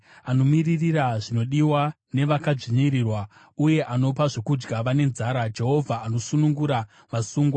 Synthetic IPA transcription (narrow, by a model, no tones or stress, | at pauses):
ano̞miririraʐino̞ɗiwa | ne̞ʋakaʐiɲiɾirwa | uje̞ʔano̞paʐekud͡ʒɡaʋane̞nzaːɾad͡ʒe̞ɦo̞vʱaːno̞sunuŋɡuɾa | ʋasuːŋɡwa